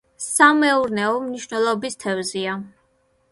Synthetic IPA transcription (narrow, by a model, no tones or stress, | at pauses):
samɛuɾnɛɔmniʃnɛlˠɔbist̪ʰɛvzia